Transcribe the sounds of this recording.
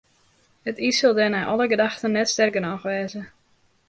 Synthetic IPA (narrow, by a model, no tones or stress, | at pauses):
ətisølˠdɛnɛʔɔlˠəɡədaxtənɛtstɛrɡənɔxʋɛːzə